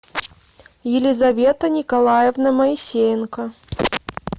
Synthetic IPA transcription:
jɪlʲizɐvʲet̪ɐnʲikɐlˠajɛvnɐmɐisʲejnkɐ

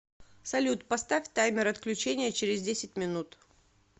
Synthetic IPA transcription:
sɐlʲut̪pɐst̪afʲt̪ajmʲɪɾɐt̪klʲʉt͡ɕenʲɪjət͡ɕɪɾʲɪzdʲesʲɪt̚ʲmʲɪnut̪

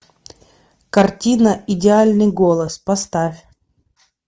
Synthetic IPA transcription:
kɐrtʲinəʔɪdʲɪalʲnɨjɡolˠəspɐst̪afʲ

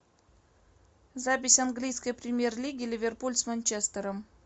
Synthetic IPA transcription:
zap̬ʲɪsʲanɡlʲijskəjpɾʲɪmʲje̞rlʲiɡʲɪlʲɪvʲerpulʲt̪smanʲt͡ɕest̪əɾəm

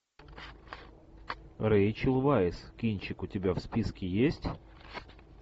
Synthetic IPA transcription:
ɾejt͡ɕɪlˠvajɪskʲinʲt͡ɕɪkʊtʲɪbʲafspʲiskʲɪjesʲtʲ

